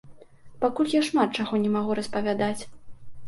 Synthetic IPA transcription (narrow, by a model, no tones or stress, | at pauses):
pakulʲjaʂmat̪̚t͡ʂaɣɔnʲɛmaɣuɾɐspɐvʲad̪at͡sʲ